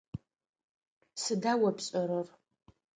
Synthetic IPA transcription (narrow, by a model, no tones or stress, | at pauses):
sɨdaːwɐpɕʼɐɾɐr